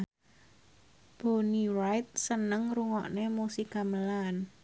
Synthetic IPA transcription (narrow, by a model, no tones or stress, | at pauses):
b̥onirajt̪̚sənəŋruŋɔ̰ʔnemusikaməlan